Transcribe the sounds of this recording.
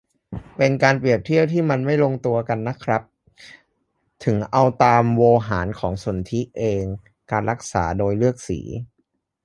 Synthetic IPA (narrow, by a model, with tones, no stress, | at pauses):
pe˧nkaː˧npɾi˨˩əp̚t̪ʰi˥˩əwt̪ʰiː˥˩ma˧nma˥˩jlo˧ŋt̪u˧ɐka˧nːa˦˥kʰɾa˦˥p̚ | t̪ʰɯ˩˦ŋʔa˧wt̪aː˧mwoː˧ɦaː˩˦nkʰɔː˩˦ŋsu˩˦nt̪ʰi˦˥ʔeː˧ŋ | kaː˧nɾa˦˥k̚sa̰ː˩˦doː˧jlɯ˥˩ək̚sḭː˩˦